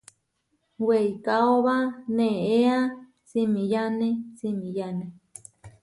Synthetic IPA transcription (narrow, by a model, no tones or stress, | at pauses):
weikaoβanẽea | t͡simĩjanet͡simĩjane